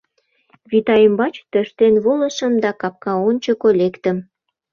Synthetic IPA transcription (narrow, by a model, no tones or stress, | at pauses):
βit̪ɑjəmbɑt͡ɕt̪əʃt̪enβoləʃə̆md̪ɑkɑp̚kɑonʲt͡ɕəkolekt̪əm